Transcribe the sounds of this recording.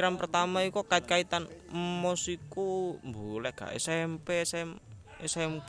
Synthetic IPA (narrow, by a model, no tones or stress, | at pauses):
ɾanpərt̪amaikɔkaɪt̪̚kait̪anmɔsikumbulɛɡ̥a̰ʔḛsɛmpɛsɛm | esɛm